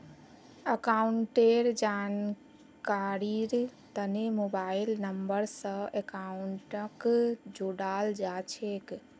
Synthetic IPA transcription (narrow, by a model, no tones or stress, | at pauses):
əkauɳʈeɾd͡ʒan | kaɾiɾt̪ənemobailnəmbəɾsə̃ekauɳʈəkd͡ʒoɽald͡ʒat͡ʃʰek